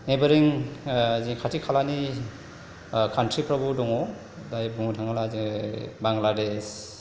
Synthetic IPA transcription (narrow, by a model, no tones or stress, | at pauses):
nebaɾiŋ | zikʰatʰikʰalani | kʰantɾipɾabudɔŋɔ | dajbuŋdʰʱaŋalazibaŋlades